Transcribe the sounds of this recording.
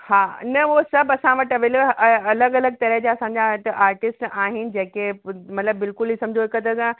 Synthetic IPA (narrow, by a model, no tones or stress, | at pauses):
haːɪ̰nɐosɐbɐsãʋɐʈɐʋelɐləɡɐləɡ̚t̪ɐɾəɦd͡ʑaɐsãɲ̆d͡ʑatʔaːɾʈɪsʈaːɦɪnɪ̆d͡ʑẽːkemɐt̪ləbːɪlkʊlisɐ̃md͡ʑʱoɦɪkɐd̪əsã